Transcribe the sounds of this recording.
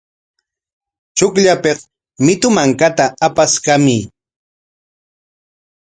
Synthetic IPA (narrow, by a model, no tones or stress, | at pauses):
t͡ʃʊkʎapeχ | mɪt̪ʊmaŋkat̪aːpaskamɪ